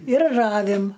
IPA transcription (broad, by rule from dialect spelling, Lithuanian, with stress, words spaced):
ɪr ˈrɑːʋʲɪm